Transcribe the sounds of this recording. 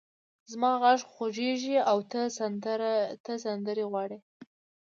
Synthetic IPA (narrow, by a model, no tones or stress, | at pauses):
zmɑɣaʐxoʒeʒiawt̪əsaɾt̪əsand̪əɾeɣwɑɽe